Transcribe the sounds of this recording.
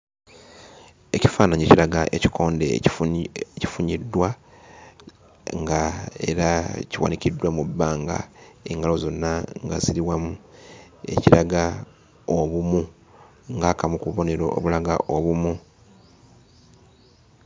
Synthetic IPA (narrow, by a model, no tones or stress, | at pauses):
e̞ci̥faːnaɲeciɾaɡaʔeci̥kʰo̞ːndḛ | ci̥fuɲidːwa | ŋɡae̞̰ɾaciwa̰nicidːwamubːaːŋɡa̰e̞̰ŋɡalo̞zo̞nːaŋɡa̰ziɾiwamu | e̞̰ciɾaɡa | oβumu | ŋɡaːkamukuβo̞ne̞ɾoo̰βulaɡa̰ʔo̞βumu